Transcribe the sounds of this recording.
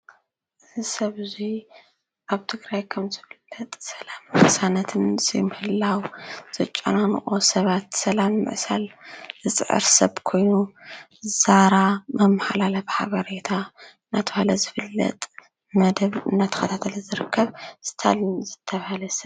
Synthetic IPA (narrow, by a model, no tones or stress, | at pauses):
ɨzɨsɐβzi | ʔaβt̪ʰɨɡɾajkʰɐmzɨfɨlːɐt̪ʼsɐlamːɨħsanɐt̪ʰɨnzɐ̰jmɨhɨlːawz̥ɐt͡ʃʼːɐ̰nanʔʼosɐβat̪sɐlamːɨ̰ʕsa̰lzɨt͡sʼɨʕɨ̰ɾsɐ̰βkʰo̞jnu | zaɾamɐmːaħalalafħa̰βɐɾet̪ʰa | nat̪ʰɨhalɐzɨfɨlːɐ̰t̪ʼ | mɐd̪ɐβɨnːat̪ʰɨ̥xʰɐt̪ʰat̪ʰɐlɨzɨɾɨkʰːɐβz̥ɨ̥t̪ʰa̰lnzɨt̪ʰːɐβhalɐsɐ